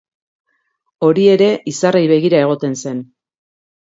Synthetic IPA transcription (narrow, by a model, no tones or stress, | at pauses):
o̞ɾie̞ɾe̞ʔisarejβe̞ɣ̞iɾae̞ɣ̞o̞t̪e̞nse̞n